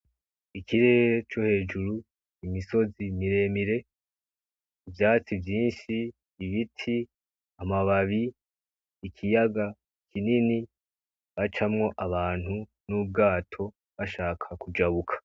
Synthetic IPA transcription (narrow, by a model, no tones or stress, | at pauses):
ikʰiɾe̞ːɾet͡ʃo̞he̞ːd͡ʒuɾu | imiso̞zimiɾe̞ːmiɾe̞ | ivjaːt͡sivjiːnʃiː | βitʰi | amaβaβiː | kʰijaɡa | ikʰinini | βat͡ʃamŋo̞ʔaβaːn̥hunub̚ɡaːtʰo̞ | βaʃaːkʰakud͡ʒaβukʰḁ